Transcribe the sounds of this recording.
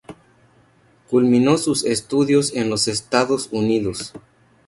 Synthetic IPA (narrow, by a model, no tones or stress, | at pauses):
kulmĩno̞susest̪uðjo̞senlosest̪aðosuniðos